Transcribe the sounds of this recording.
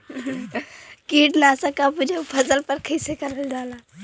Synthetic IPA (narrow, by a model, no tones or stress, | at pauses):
kiʈnasəkapud͡ʒepʰəzəlpəɾkʰəsekəɾəld͡ʒala